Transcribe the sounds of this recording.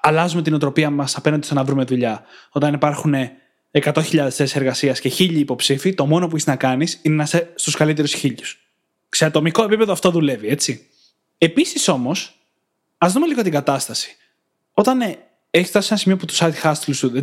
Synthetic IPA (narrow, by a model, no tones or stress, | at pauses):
ɐlɐzume̞t̪ino̞t̪ɾo̞piɐmɐsɐpenɐnd̪ist̪onɐvɾume̞ðuʎɐo̞t̪ɐnipɐɾxune̞ | ekɐt̪o̞çiʎɐðe̞sθesiseɾɣɐsiɐsceçiʎiːpo̞psifit̪o̞mo̞no̞p̬ueçiznɐkɐnisinenɐsest̪uskɐlit̪̬e̞ɾusçiʎus | seɐt̪o̞miko̞e̞pipe̞ðoɐft̪o̞ðule̞vie̞t͡si | e̞pisiso̞mo̞s | ɐzðume̞liɣo̞t̪iŋɡɐt̪ɐst̪ɐsi̥ | o̞t̪ɐn | eçisft̪ɐsisenɐsimio̞put̪u̥sɐt̪xɐst̪lsuðe